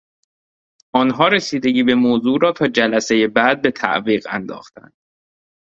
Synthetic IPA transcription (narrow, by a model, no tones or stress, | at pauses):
ʔɒːnɦɒːɾesiːd̪e̞ɟiːbe̞moːzuːɾɒːt̪ʰɒːd͡ʒælæse̞jebæːd̪̚be̞t̪ʰæ̰ʔviːɣæ̰nd̪ɒ̰ːxt̪ʰæ̰nd̪̥